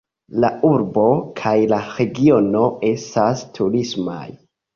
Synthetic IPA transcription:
lauɾbo̞kʰajlaɾe̞ɡio̞no̞e̞stastʰuɾisma̰j

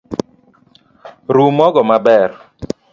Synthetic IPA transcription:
ɾumɔɡɔmabɛr

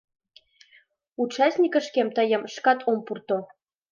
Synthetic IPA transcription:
ut͡ɕɑsʲnʲikə̆ʃkemt̪əjə̆mʃkɑt̪ʰompurt̪o

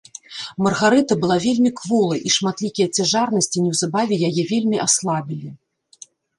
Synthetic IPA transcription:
mɐrɣaɾɛt̪ɐbɨlˠavʲelʲmʲikvɔlˠɐʔiʂmat̪lʲikʲijɐt͡sʲaʐarnɐsʲt͡sʲinʲɛwzabavʲɛjajɛvʲelʲmʲiʔaslˠabʲilʲi

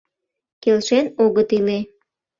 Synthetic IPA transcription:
kelʃenoɣət̪ile

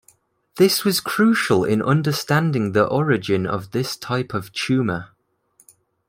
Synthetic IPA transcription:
ðɪswɒz̥kʰɹ̥ʉˑʃəlɪ̰̃nʔʌ̰̃ndəstãndɪ̃ŋðiʔɒɹɪd͡ʒɪ̃nə̰vðɪstʰaɪpʰəv̥t͡ʃʰʉːmə

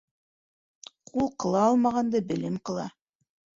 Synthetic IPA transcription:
qʰulˠqɤ̆lˠɑɑlˠmɑʁɑnd̪ɤbɘ̆lɘmqɤ̆lˠɑ

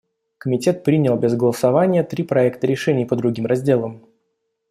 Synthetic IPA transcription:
kəmʲɪtʲe̞t̪̚pɾʲinʲɪlˠbʲɪzɡəlˠəsɐvanʲɪjət̪ɾʲipɾɐɛkt̪əɾʲɪʂɛnʲɪjpəd̪ɾʊɡʲimrɐzʲdʲe̞lˠəm

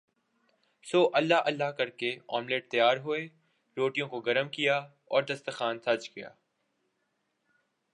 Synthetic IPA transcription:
soːʔɐlːaʔɐlːaɦkɐɾkeɔːmleːʈ̚t̪ɐjaːɾɦoe | ɾoːʈijõkoɡɐɾəmkija | ɔːɾd̪ɐst̪əxaːnsɐd͡ʒkija̰ː

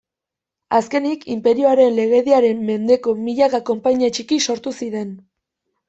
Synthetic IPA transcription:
aske̞nikʰimpe̞ɾioaɾe̞nle̞ɣe̞ðiaɾe̞mːe̞nd̪e̞ko̞miʎaɣako̞mpaɲiat͡ʃikiso̞ɾt̪usiɾe̞n

